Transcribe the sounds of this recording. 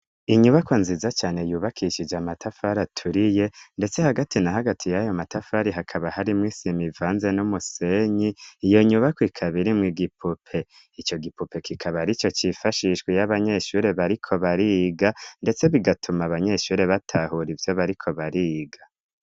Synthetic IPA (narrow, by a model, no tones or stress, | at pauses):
iɲuβakonzizat͡ʃaːne̞juːβakʰiʃid͡ʒamatʰafaɾatʰuɾije̞nde̞t͡se̞haɡatʰinaɦaɡatʰijajo̞matafaɾiɦakʰaβahaɾimŋisimivaːnze̞numuse̞ɲiːjo̞ɲuβakwikʰaβiɾimŋiɡipʰupʰe̞ | it͡ʃo̞ɡipupʰe̞kʰikʰaβaɾit͡ʃo̞t͡ʃifaʃiʃɡwejaβaɲe̞ʃuːɾe̞βaɾikʰo̞βaɾiɡande̞t͡se̞βiɡatʰumaβaɲe̞ʃuːɾe̞βatʰahuɾivjo̞βaɾikʰo̞βaɾiːɡa